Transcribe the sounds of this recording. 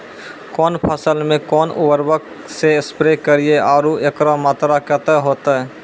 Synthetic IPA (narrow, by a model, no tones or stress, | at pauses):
kɔːnpʰəsəlmẽkɔːnʊ̰wəɾbək̚ | seɪspɾekəɾieaːɾuʔeːkɾamaːt̪ɾakɛt̪ɛɦoːt̪aɦɛ